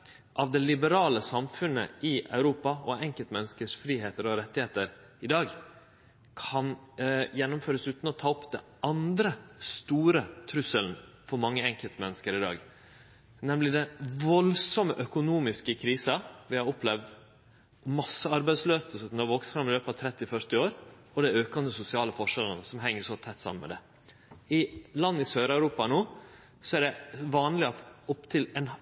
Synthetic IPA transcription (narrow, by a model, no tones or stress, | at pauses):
ʔɑʋd̪ɛlɪbəɾɑːləsɑmfʉnə̰ʔɪɑ̰ʉɾuːpɑɔɛŋkəlt̪mɛnːəskəʂfɾiːheːt̪əɾɔɾɛt̪ːɪeːt̪əɾ | ɪd̪ɑːɡ | kʰɑnjɛnːʊmføːɾəsʉːt̪n̩ɔt̪ʰɑːɔpd̪ɛ | ɑnd̪ɾəst̪uːɾət̪ʰɾʉsəln | fɔɾmɑŋːəɛŋkəlt̪mɛnːəskəɾɪd̪ɑ̰ːɡ | nɛmlɪd̪ɛnʋɔlsɔməʔœkʊnuːmɪskəkʰɾiːsɑʋɪhɑɾɔplɛʋd̪ | ɔmɑsːəɑɾbæɪd̪sløːsəsənɔʋoːksfɾɑmɪløːpɑt̪ʰɾɛt̪ːɪfœɾt̪ɪoːɾ | ɔd̪ɛøːkɑnd̪əsʊsɪɑːləfɔʂɛlənəsɔmɦɛŋːəʂɔt̪ʰɛt̪ːsɑ̰mːənmɛ̰d̪ɛ | ɪlɑnːɪsøːɾɑʉɾuːpɑnoː | sɔæɖɛʋɑːnlɪɑt̪ɔpt̪ʰɪlɛn